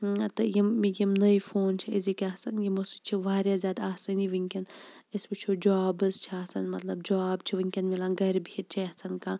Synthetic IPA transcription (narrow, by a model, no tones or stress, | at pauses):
t̪ɐjimːijimnɐjfoːnt͡ʃʰiizikɐsɐnjimosɨt͡ʃʰiʋaːɾjaːzʲjaːd̪aaːsɐniʋiŋʲkʲin | isbɨt͡ʃʰud͡ʒaːbɨst͡ʃʰiaːsɐnmɐt̪lɐb̚d͡ʒaːbt͡ʃʰiʋiŋʲkʲinmilaɡɐɾbiit̪̚t͡ʃʰiɐsɐnkãː